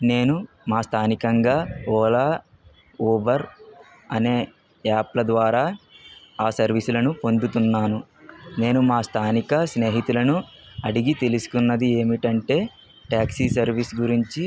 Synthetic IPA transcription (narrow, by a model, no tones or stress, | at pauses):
ne̞ːnu | maːst̪ʰaːnikɐŋɡaːɔːlaː | oːbɐɾ | ɐneː | aːplɐd̪ʋaːɾaː | aːsɐɾʋisulɐnupo̞nd̪ut̪unːaːnu | ne̞ːnumaːst̪ʰaːnikɐsne̞ːɦit̪ulɐnu | ɐɽiɡit̪e̞lusu̥kunːɐd̪ie̞ːmiʈɐɳʈe̞ː | ʈaːksisɐɾʋisɡuɾiɲt͡ʃi